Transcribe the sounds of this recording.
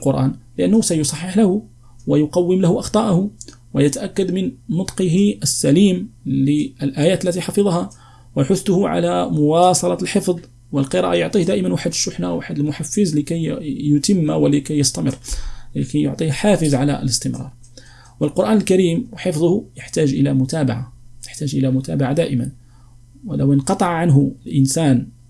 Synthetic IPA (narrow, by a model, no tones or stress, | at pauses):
lqʊɾʔæ̰ːnlɪʔænːhusæjʊsˤɑħːɑħlæhu | wəjʊqɑwːəmlahuʔɑxt̪ˤɑʔahu | wəjæt̪aʔækːad̪mənnʊt̪ˤqəɦiəsːæliːmləlʔæjæːt̪əlːæt̪iħɑfɑðˤɑhɑ | wəħʊθːʊhʊʕa̰læmʊwɑsˤɑlɑt̪lħəfðˤ | wəlqəɾˤɑ̰ʔajoʕt̪ˤihd̪æʔɪmənwaħəd̪əʃːʊħnaʔwʔaħad̪əlmʊħafːəzləkæjːʊt̪əmːawəlɪkæjːəst̪æmə̰rːɪkæjjʊ̰ʕt̪ˤiːhħafəzʕalæ̰ə̰ləst̪əmɾˤɑ̰ɾˤ | wəlqʊɾʔæːnəlkaɾiːmwħəfðˤʊhʊjəħt̪æːʒʔəlæmʊt̪æːbaʕajəħt̪æʒʔəlæmʊt̪æːbaʕad̪æːʔɪman | wələwənqɑt̪ˤɑʕʕanɦʊlʔənsæːn